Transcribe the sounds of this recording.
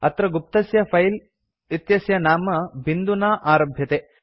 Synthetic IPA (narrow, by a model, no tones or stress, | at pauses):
ɐt̪ɾɐɡup̚t̪ɐsjɐpʰɐjl | it̪jɐsjɐnaːmɐbind̪unaːʔaːɾɐbʱjɐt̪eː